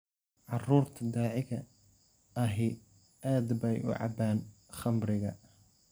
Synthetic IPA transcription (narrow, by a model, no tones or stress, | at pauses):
ʕɑruːrt̪ʰɐd̪aːʕɪɣɐ | ɐɦɪ | aːd̪bɐjʔʊ̰ʕɑ̰baːnχɐmɾɪɣɐ